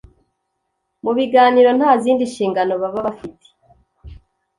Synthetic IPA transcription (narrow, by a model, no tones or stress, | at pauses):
muβiɡaːniɾo̞n̥haːziːndiʃiːŋɡano̞βaβaβafite̥